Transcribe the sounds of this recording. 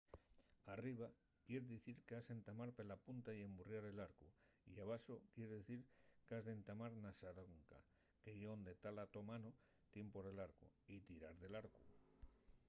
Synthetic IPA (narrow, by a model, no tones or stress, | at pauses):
ariβ̞a | kje̞ɾðiθiɾkease̞nt̪amaɾpe̞lapunt̪aie̞mburjaɾe̞laɾkuiaβaso̞kje̞ɾeðeθiɾkazðe̞nt̪amaɾnasaɾoŋka̰ | ke̞ʝond̪e̞t̪alat̪o̞mano | t̪je̞mpo̞ɾe̞laɾkuit̪iɾaɾðe̞laɾku